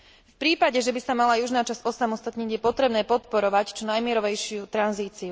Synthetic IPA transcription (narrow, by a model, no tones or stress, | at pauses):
fpɾiːpaɟɛʒɛbisamalajuʒnaːt͡ʃazɔsamɔst̪at̪ɲiɟjɛpɔt̪ɾɛbnɛːpɔt̪pɔɾɔʋact͡ʃɔnajmɪɛɾɔʋɛjʃɪut̪ɾanziːt͡siu